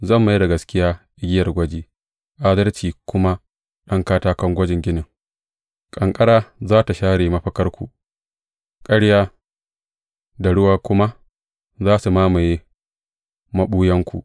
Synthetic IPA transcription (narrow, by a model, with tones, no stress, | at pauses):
zɐ˦˨mːa˦jda˨ɡɐ˨skʲɪ˦jaː˦ʔɪ˦ɡʲɪ˦jɐ˨rɡʷɐ˦d͡ʒeː˦ | ʔaː˦dɐ˦rt͡ʃiː˨kʷʊ˦ma˦ | ɗɐ˦ŋkaː˦taː˦kɐ˦ŋɡʷɐ˦d͡ʒɪ˨ŋɡʲɪ˦nɪ˨ŋ | kʼɐ˨ŋkʼɐ˦ɽaː˦zaː˦ta˨ʃaː˦ɽeː˨mɐ˦ɸɐ˦kɐ˦rkʷṵ˨ | kʼɐ˦ɽjaː˦ | da˨ɽʊ˦waː˦kʷʊ˦ma˦ | zaː˦su˨maː˦ma˨jeː˦ | mɐ˦ɓuː˦jɐ˦ŋkʷṵ˨ʔ